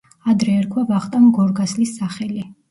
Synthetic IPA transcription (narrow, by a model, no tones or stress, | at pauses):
ad̪ɾɛːɾkʰwavaχt̪ʼamɡɔɾɡaslisːaχɛli